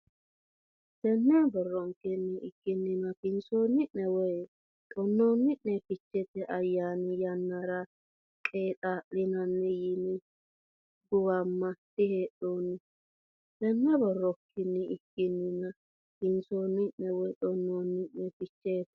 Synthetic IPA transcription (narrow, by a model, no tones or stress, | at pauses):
t̪ɛnːɛbɔrːɔŋkːɪnːɪɪkːɪnːɪnɐkɪnsoːnːɪʔnɛwɔj | t̪ʼɔnːoːnːɪʔnɛfɪt͡ʃːɛt̪ɛʔɐjːaːnɪjɐnːaɾɐ | kʼeːt̪ʼaːʔlɪnɐnːɛjinɪ | ɡʊwɐmːɐt̪ɪheːɗoːnːɪ | t̪ɛnːɛbɔrːɔkːɪnːɪɪkːɪnːɪnɐ | kɪnsoːnːɪnːɛwɔjt̪ʼɔnːoːnːɪʔnɛfɪt͡ʃːeːt̪ɛ